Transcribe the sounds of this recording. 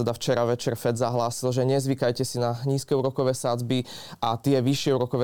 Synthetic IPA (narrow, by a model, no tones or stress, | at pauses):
ɛd̪aft͡ʃɛɾaʋɛt͡ʃɛɾfɛd̪zaɦlaːsilʒɛɲɛzʋikajcɛsinaɲiːskɛuɾɔkɔʋɛsad͡zbiʔat̪ɪɛʋiʃɪɛuɾɔkɔʋɛ